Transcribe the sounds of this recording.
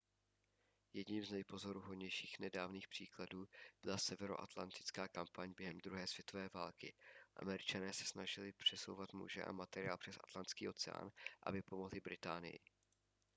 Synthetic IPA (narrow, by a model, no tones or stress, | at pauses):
jɛdɲiːmznɛjpo̞zo̞ɾuɦodɲɛjʃiːxnɛdaːvniːxpr̥iːkladuːb̥ɪlasɛvɛɾo̞ʔat̪lant̪ɪ̥t͡skaːkampaɲbjɛɦɛmd̪ɾuɦɛːsv̥jɛt̪o̞vɛːvaːlkɪʔa̰mɛɾɪt͡ʃanɛːsɛ̥snaʒɪlɪpr̝̥ɛso̞̰wvat̪mṵʒɛ̰ʔa̰mat̪ɛɾɪa̰ːlpr̥ɛsʔat̪lant̪skiːʔo̞t͡sɛa̰ːnʔa̰bɪpo̞mo̞ɦlɪbɾɪt̪aːnɪ̰jɪ̰